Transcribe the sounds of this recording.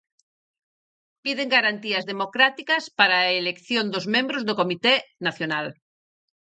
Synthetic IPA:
piðeŋɡaɾant̪iazðemokɾat̪ikaspaɾaelekθjond̪ozmẽmbɾozðokomit̪enaθjonal

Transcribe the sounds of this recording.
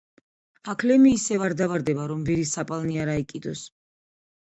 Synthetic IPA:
akʰlɛmiːsɛvaɾd̪avaɾd̪ɛbaɾɔmviɾisapʼalniaɾaikʼid̪ɔs

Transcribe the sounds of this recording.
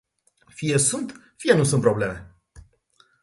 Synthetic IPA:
fijesunt̪ | fijenusũnt̪pɾo̞ble̞me

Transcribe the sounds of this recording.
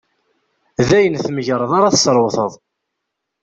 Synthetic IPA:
ðæjənθməʝɾˤəðˤaɾɑθə̥sɾˤwθəðˤ

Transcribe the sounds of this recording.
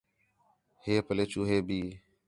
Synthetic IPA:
heːpəleːt͡ʃuːɦeːbiː

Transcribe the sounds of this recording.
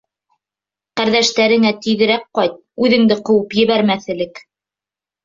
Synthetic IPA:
qæɾðæʃt̪æɾɘ̆ŋæt̪iðɘ̆ɾæk̚qɑjt̪̚ʉðɘ̆ŋd̪ɘqɤ̆wɤpjɘ̆βæɾmæθɘ̆lɘk

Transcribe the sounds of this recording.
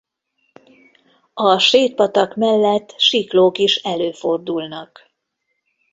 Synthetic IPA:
ɒʃeːt̪̚pɒt̪ɒkmɛlːɛt̪ːʃikloːkiʃɛløːford̪ulnɒk

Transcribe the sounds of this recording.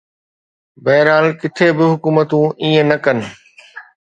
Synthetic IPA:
bɐɦɪɾaːlkɪt̪ʰebɪɦʊkuːmət̪ũʔĩːə̃nɐkɐnɪ̆

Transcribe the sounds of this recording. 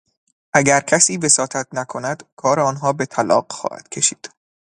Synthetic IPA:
ʔæɟæɾcʰæsiːve̞sɒːt̪ʰæt̪̚ʰnækʰo̞næd̪̥kʰɒːɾeɒːnɦɒːbe̞t̪ʰælɒ̰ːɢxɒ̰ːhæ̰d̪̥cʰe̞ʃiːd̪̥

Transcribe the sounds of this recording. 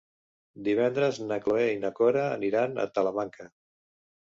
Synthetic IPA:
d̪iβ̞ɛnd̪ɾəznakloeinəkoɾaːniɾanə̰t̪ələmaŋkə

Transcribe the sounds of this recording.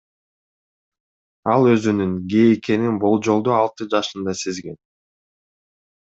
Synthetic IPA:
ɑlˠø̞zynyŋɡejikʰe̞ninbo̞lˠd͡ʒo̞lˠd̪oɑlˠt̪ɯd͡ʒɑʃɯnd̪ɑse̞zɡe̞̰n

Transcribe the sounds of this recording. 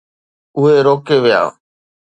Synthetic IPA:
ʊɦeːɾoːkeːʋɪja̰ː

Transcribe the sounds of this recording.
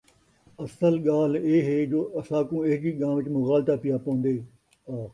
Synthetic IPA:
ɐsəlɠaːl̤eːɦeːd͡ʒoːɐsãːkũːeːɦd͡ʒiːɠãːmʋɪt͡ʃmʊɣaːlt̪aːpɪjaːpõːnd̪eː | aː

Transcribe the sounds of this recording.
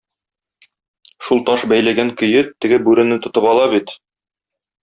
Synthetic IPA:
ʃulˠt̪ɒʃbæjlæɡæŋkɵ̆jɘt̪ːɘ̆ɡɘbʉɾɘ̆nɘt̪ŏt̪ɤpɑlˠɑbit̪

